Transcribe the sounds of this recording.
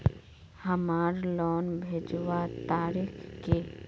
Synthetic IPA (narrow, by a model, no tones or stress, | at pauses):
hɐmaːɾlɔːnbʱeːd͡ʒʋat̪aːɾɪxke